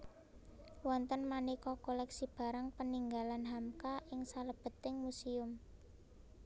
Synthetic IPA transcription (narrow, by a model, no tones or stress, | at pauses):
wɔnt̪ənmanikɔkolɛksib̥a̤ɾaŋpəniŋɡalanɦamkaʔɪŋsaləb̥ə̤t̪ɪŋmusiʊm